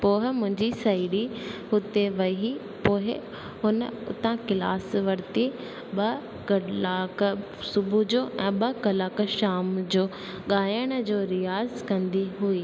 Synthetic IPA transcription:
poːɦɪmʊ̃ɦɪ̃ɲd͡ʑisaiɽihʊt̪eʋɐi | poːɦɪ | ɦʊnəʊ̰t̪ãkɪla̰ːsʋɐɾt̪e | ɓɐ | kɐlaːk | sʊbʱud͡ʑoːʔɛ̃ːɓɐkɐlaːkʃaːmd͡ʑoː | ɠaːjəɽ̃d͡ʑoːɾɪjaːzkɐ̃nd̪iɦuiː

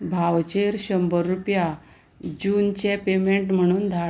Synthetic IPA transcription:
bʱawt͡ɕeɾɕəmbəɾːupja | d͡ʑuːnt͡ɕɛ̃pemeɳʈm̤əɽ̃uːnd̪ʱa

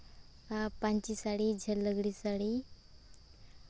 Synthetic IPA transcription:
apãɲt͡ɕisaɽid͡ʑʱəlːəɡɽiːsaɽi

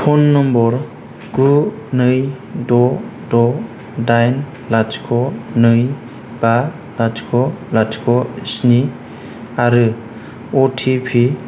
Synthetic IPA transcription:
pʰɔnːɔmbɔɾ | ɡ̥u | nɯj | dɔ | dɔ | dajn | lad͡ʒkʰɔnɯj | ba | lad͡ʒkʰɔlad͡ʒkʰɔsni | aɾɯ | ɔtʰipʰi

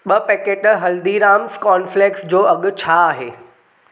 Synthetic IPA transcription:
ɓɐpɛːkeːʈɦɐld̪iɾaːmskɔːnfleːksd͡ʑoːɐɠʊ̆t͡ɕʰaːɦḛː

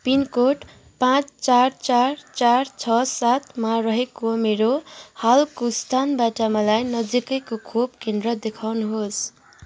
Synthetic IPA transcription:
pinkoʈ | pãt͡st͡sart͡sart͡sart͡sʰʌsat̪maɾʌɦekomeɾohalkost̪ʰanbaʈʌmalajnʌd͡zikʌkokʰob̚kend̪rʌd̪ekʰawnuɦos

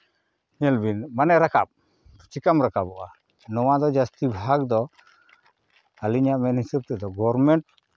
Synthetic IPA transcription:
ɲɛlbinmanɛɾaka̰p̚ | t͡ʃikamɾakabɔʔa | nɔwad̪ɔd͡ʒast̪ibʱaɡ̚d̪ɔ | aliɲaʔmɛnɦisub̚t̪ɛd̪ɔɡɔɾmɛɳʈ̚

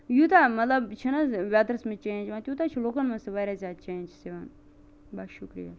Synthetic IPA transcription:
jut̪amɐt̪lɐbt͡ʃʰinɐʋʲjaːt̪ɾɐsmẽt͡ʃẽːnd͡ʒʋãt̪jut̪at͡ʃʰiloːkɐnmɐ̃nsɐʋaːɾʲazʲaːd̪t͡ʃeːnd͡ʒseʋan | baʃukɾḭja̰ː

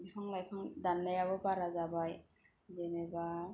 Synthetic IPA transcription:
bipʰaŋlajpʰaŋdanːajababaɾazabaj | deneba

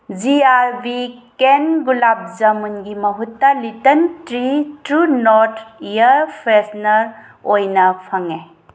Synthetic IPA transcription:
ziaɾbikenɡulap̚zɐmunɡimɐɦutːɐlitɐntɾitɾunoɾtʰijɐɾpʰɾesnɐɾ | ojnɐpʰaŋe

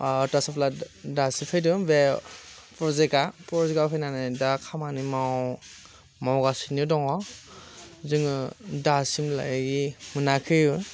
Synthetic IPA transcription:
ɔtasɔpʰladasipʰɯjdɯmbe | pɾɔzekapɔzɡapʰajnanajdakʰamanimaw | mawɡasinidɔŋɔ | zɯŋɯdasimla̰jɡimɯnakʰɯjɯ

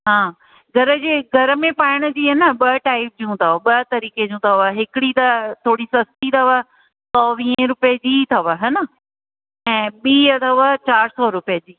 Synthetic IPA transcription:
ɦãː | ɡʱɐɾəd͡ʑeːɡʱɐɾə̆mẽpaːɪɽ̃ə̆d͡ʑiːɦɐnəɓɐʈaːɪp̚d͡ʑũt̪ʰɐʋəɓɐt̪ɐɾiːked͡ʑũt̪ʰɐʋəɦɪkɪɽit̪ɐt̪ʰoːɽisɐst̪it̪ʰɐʋə | sɔːʋĩːə̃ɾʊpjd͡ʑiːt̪ʰɐʋəɦɐnə | ɛ̃ːɓiːət̪ʰɐʋət͡ɕaːɾsɔːɾʊpijəd͡ʑiː

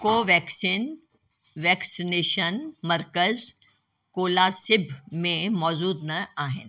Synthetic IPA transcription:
koːʋɛːksiːn | ʋɛːksineːʃənmɐɾkəz | koːlasɪbʱmẽmɔːzuːd̪nɐaːɦɪnɪ

